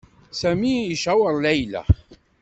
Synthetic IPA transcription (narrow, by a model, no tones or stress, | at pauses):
sæmiiʃæwəɾˤlæjlæ̰